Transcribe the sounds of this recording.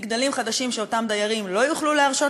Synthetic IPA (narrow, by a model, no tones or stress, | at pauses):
ɡd̪alimχad̪aʃimʃeo̞tamd̪ajaʁimlo̞juχluleaʁʃo̞